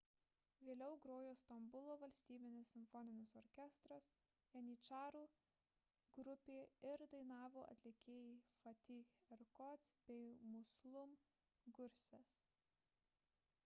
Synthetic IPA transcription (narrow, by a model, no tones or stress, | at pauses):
ʋʲeːlʲɛʊɡɾoːjoːst̪ɐmbʊlˠoːʋɐlʲsʲt̪ʲiːbʲɪnʲɪsːʲɪmʲfɔnʲɪnʲɪsɔɾʲkʲɛst̪ɾɐs | jɛnʲiːt͡ʃɑːɾuː | ɡɾʊpʲeːɪɾd̪ɐɪnɑːʋoːʔɐ̰t̪ʲlʲɪkʲeːjɛɪfɐt̪ʲixɛɾkɔt̪sbʲɛɪmʊslˠʊm | ɡʊɾʲsʲɛs